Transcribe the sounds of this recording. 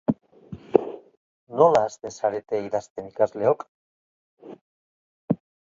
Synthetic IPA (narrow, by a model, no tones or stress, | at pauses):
no̞laːst̪e̞nsaɾet̪eiðast̪enikazle̞ok